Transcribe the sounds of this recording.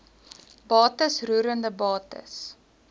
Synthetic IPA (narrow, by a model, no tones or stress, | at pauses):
bɑːtəsruːɾəndəbɑːtə̰s